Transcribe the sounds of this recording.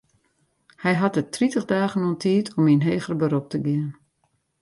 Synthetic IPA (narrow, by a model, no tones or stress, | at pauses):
hɛjɦatətritəχdaːχənɔntʰiːətʰɔminɦeːχərəbəɾop̚təɡɪən